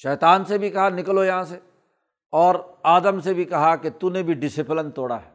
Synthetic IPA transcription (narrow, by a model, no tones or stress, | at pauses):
ʃɛːt̪aːnsebʱikɐɦanɪkəlojɐɦãse | ɔːɾaːd̪əmsebʱikɐɦaket̪unẽbʱiɖɪsɪplənt̪oːɽa̰ɦɛː